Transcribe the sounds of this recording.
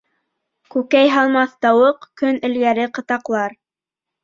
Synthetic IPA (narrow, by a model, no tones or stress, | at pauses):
kʉkæjɦɑlˠmɑθt̪ɑwɤqkɵnɘ̆lɡæɾɘqɤ̆t̪ɑqlˠɑɾ